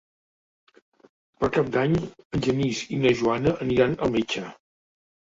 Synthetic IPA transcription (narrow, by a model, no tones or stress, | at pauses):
pəɾkap̚d̪aɲənʲʒənizinəʒuanəʔːniɾanəlˠmit͡ʃə